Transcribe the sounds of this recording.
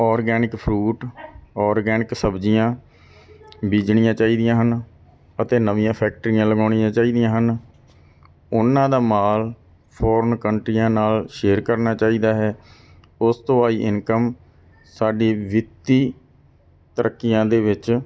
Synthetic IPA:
ɔːɾɡɛːnɪkpʰɾuːʈɔːɾɡɛːnɪksəbd͡ʒɪjãː | biːd͡ʒɳɪjãːt͡ʃaːiːd̪ɪjãːɦən | ət̪eːnəʋɪjãːpʰɛːk̚ʈəɾɪjãːləɡaːɳijãːt͡ʃaːiːd̪ijãːɦən | ʊnːãːd̪aːmaːl | pʰɔːɾənkəɳʈɾijãːnaːlʃeːɾkəɾnaːt͡ʃaːiːd̪aːɦɛː | ʊst̪õːaːiːʔɪnkəm | saːɖeːʋɪt̪ːiː | t̪əɾʔəkːɪjãːd̪eːʋɪt͡ʃ

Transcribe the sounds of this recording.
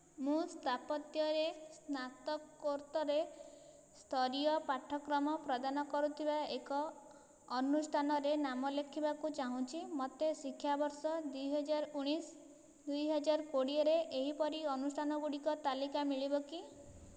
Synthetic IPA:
mũst̪ʰapɔt̪jɔɾesnat̪ɔkːoɾt̪ɔɾe | st̪ʰɔɾiɔpaʈʰːɔkɾɔmɔpɾɔd̪anɔkɔɾut̪ʰibaekɔː | nusʈʰanɔɾenamɔlekʰibakut͡ʃaɦũt͡ʃʰimɔt̪esikʰːjabɔɾsɔd̪ujɦɔd͡ʒaɾɔuɽ̃is | d̪ujɦɔd͡ʒaɾkoɽiɔɾeʔeɦipɔɾiɔnusʈʰanɔɡuɽikɔt̪alikamiɭibɔki

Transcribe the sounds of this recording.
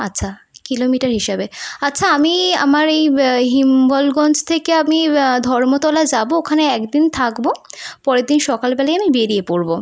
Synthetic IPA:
atːɕʰa | kilomiʈaɾɦiʃebeatːɕʰaamia̰maɾejɦimbɔlɡɔnt͡ɕt̪ʰekeamid̪ʱɔɾmot̪ɔlad͡ʑabookʰaneɛkd̪int̪ʰakbopɔɾed̪inʃɔkalbɛlaeamibeɾiepoɾbo

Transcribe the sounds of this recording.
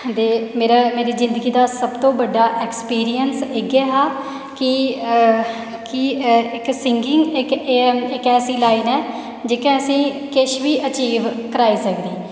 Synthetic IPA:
d̪eːmeːɾaːmeːɾiːzɪ̃nd̪əɡiːd̪aːsəbt̪õːbəɖːaːʔekspiːɾijənseːɡaːɦaː | kɪ | kɪɪksɪŋɡɪ̃ŋɡɪkɪkɛːsiːlaːinɛː | d͡ʒeːkẽːəsĩːkɪʃʋiːʔət͡ʃiːʋkəɾaːiːsəkd̪iː

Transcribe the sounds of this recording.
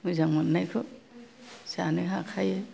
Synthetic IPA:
mɯzaŋmɯnːajkʰɯ | sanɯɦakʰajɯ

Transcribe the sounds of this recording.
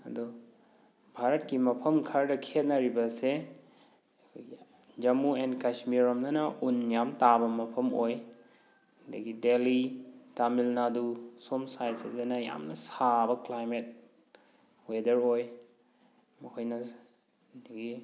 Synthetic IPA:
ɐ̰du | bʱaɾɐt̚kimɐpʰɐmkʰɐɾdɐkʰet̚nɐɾibɐse | ɐkʰojɡi | d͡ʒɐmuenkasmiɾomnɐnɐʔunjamtabɐmɐpʰɐmoj | dɐ̰ɡidelitamilnadusomsajtsezenɐja̰mnɐsabɐklajmet̚ | wedɐɾoj | mɐkʰojnɐ | dɐɡi

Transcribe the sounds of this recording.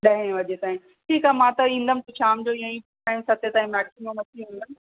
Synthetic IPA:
ɗɐɦẽʋɐd͡ʑet̪aːɦĩ | ʈʰiːkɦaːmãt̪ɐĩːnd̪ənɪ̃t̪ot͡ɕʰaːmd͡ʑoːiãĩpː | aɪ̃msɐt̪et̪aːĩmɛːksimõmɐtʰiɦũːn̆d̪ənɪ

